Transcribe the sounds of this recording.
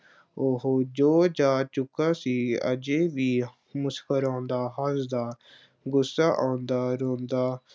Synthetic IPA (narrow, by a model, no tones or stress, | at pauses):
oːɦoːd͡ʒoːd͡ʒaːt͡ʃʊkːaːsiːə̰d͡ʒeːʋiː | mʊskʰəɾãːnd̪aːɦəsd̪aː | ɡʊsːaːʔãːnd̪aːɾoːnd̪aː